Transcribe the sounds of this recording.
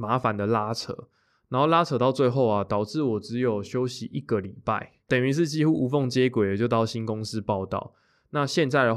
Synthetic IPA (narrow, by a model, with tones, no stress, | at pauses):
ma˧˥fa˨˦nd̪ə˨la˦˥t͡sʰɤ̰˨˧˦ | na˨˧˥nxo˥˩la˥t͡sʰɤ˧˥t̪ɑ˥˧ʊt͡swe˥˧ɪxo˥˨ʊa˨t̪ɑ˨˩ʊʈ͡ʂɻ̩˥˩wɔ˨˩t͡sɻ̩˨˦jo˨˩ʊɕjo˦ʊɕi˨˦ʔi˥˩ɡə˨li˨˩pa˥˩ɪ | t̪ə˨˩ny˧˦ʂ̬̩˥˧t͡ɕi˥xu˦˥u˧˥fɔ˥˨ŋt͡ɕjɛ˦kwe˨˩ɪd̪ə˨t͡ɕo˥˧ʊt̪ɑ˥˩ʊɕi˦˥nkʊ˦ŋs̩˦pɑ˥˧ʊt̪ɑ̰˥˩˨ʊ | na˥˧ɕjɛ˥˧nt͡sa˥˩ɪə˨˩